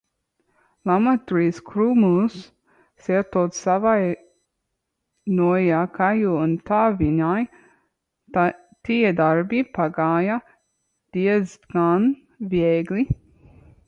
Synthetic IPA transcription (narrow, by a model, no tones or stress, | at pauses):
lamat̪uɾiːskʰɾumus | sɛt̪ɔːt̪ssavaj | nuɔjakʰajuunt̪aːviɲaj | t̪iɛd̪aɾbipaɡaːja | d̪̥iɛzɡan | vɛɡlʲi